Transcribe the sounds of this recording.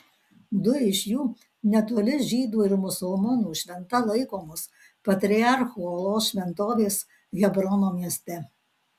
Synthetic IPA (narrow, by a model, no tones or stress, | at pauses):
d̪ʊɪʃʲjuː | nʲɛt̪oːlʲɪʒʲiːd̪uːɪɾmʊsʊlˠmɔnuːʃʲʋʲɛnt̪ɐlˠɐɪkoːmʊs | pɐt̪ʲɾʲɪɑɾxuːɔlˠoːʃʲʋʲɛnt̪oːʋʲeːs | ɣʲɛbɾɔnoːmʲiɛsʲt̪ʲɛ